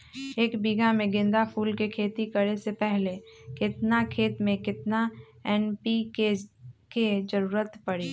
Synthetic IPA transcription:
eːkbiɡamẽɡɪ̃nd̪apʰuːlkekʰeːt̪ikəɾesepɛɦlekɪt̪nakʰeːt̪mẽkɪt̪na | ɛːnpikeked͡ʒəɾuːɾət̪pɐɽiː

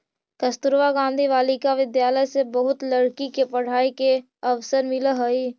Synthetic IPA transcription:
kəst̪ʊɾʋaɡãːnd̪ʱiʋaːlikaʋɪd̪jaːləjsebəɦʊt̪ləɽkikepɐɽ̤aːike | əʋsəɾmɪləɦəi

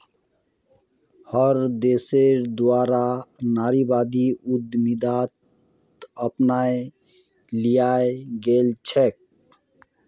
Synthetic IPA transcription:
həɾd̪eseɾd̪waːɾanaːɾibad̪iud̪mid̪at̪ | əpnae | lijaeɡeːlt͡ʃʰek̚

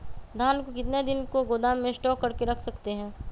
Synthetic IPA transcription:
d̪ʱaːnkokɪt̪ned̪ɪnkoɡoːd̪aːmːẽsʈɔːkːɐɾkeɾɐkʰsɐkt̪eɦɛ̃ː

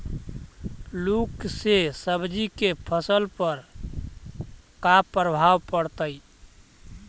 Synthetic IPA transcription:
luksesəbd͡ʒikepʰəsəlpəɾ | kapɾəbʱawpəɽt̪əj

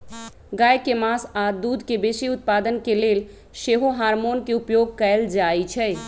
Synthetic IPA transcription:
ɡaːjkemaːsaːd̪uːd̪ʱkebeːsiʊt̪̚paːd̪ənkeleːl | ʃeːɦoɦaːɾmoːnkeʊpjoːɡ̚kɛld͡ʒaːit͡ʃʰɛ

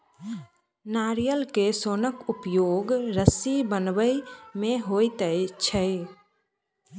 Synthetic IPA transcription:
naːɾijəlkesoːnəkʊpjoːɡɾəsibənʋəmẽɦoit̪ət͡ʃʰə

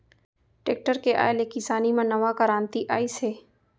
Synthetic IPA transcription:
ʈeːk̚ʈəɾkeʔa̰ːelekisaːnimãnɐʋakəɾaːnt̪iʔaːisɦeː

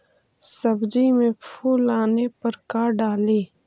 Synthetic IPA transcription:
sɐbd͡ʒimẽpʰuːlaːnepɐɾkaːɖaːleː

